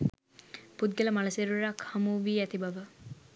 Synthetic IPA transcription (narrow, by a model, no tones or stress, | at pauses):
pud̪̚ɡeləmalɐseɾuɾakhɐmuʋiːæt̪ibɐʋə